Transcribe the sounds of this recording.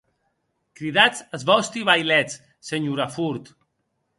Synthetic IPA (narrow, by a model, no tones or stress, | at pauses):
kɾiðat͡səzβɔst̪iβajlɛt͡s | seɲuɾafuɾt̪